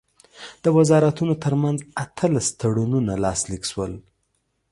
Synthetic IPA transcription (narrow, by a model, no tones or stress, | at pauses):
d̪̥əwazɑɾat̪unot̪əɾmanzat̪ʰəlast̪aɽununalɑslikʃwəl